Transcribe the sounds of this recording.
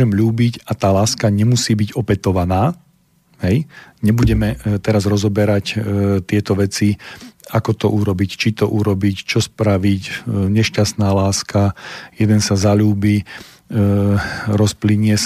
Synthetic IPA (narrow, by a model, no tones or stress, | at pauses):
ɛmʎuːbicat̪aːlaːskaɲɛmusiːbiɟɔpɛt̪ɔʋanaː | ɦɛjɲɛbuɟɛmɛt̪ɛɾazɾɔzɔbɛɾact̪ɪɛt̪ɔʋɛt͡siakɔt̪ɔʔuɾɔbict͡ʃit̪ɔʔuɾɔbict͡ʃɔspɾaʋicɲɛʃcast̪naːlaːskajɛd̪ɛnsazaʎuːbiː | ɾɔspliɲɪɛs